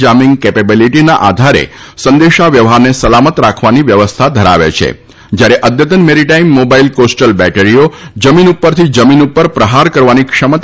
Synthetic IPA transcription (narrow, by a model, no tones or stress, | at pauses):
d͡ʒamɪŋɡ̚kepebiliʈinaʔad̪ʱaɾḛsənd̪eʃaʋjəʋɦaɾnesəlamət̪ɾakʰʋaniʋjəʋəst̪ʰad̪ʱəɾa̰ʋḛt͡ʃʰḛ | d͡ʒjaɾeʔəd̪jət̪ənmeɾiʈaimːobailkosʈəlbɛʈeɾijod͡ʒəminupːəɾt̪ʰid͡ʒəminupːəɾpɾəɦaɾkəɾʋanikʂəmət̪